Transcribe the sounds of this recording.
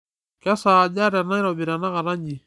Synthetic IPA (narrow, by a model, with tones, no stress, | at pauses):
ka˦sa˨d͡ʒa˦ɾa˨na˦i˦ɾɔ˨bi˨ɾa˨na˦ɣa˨ɾa˦ɲd͡ʒi˨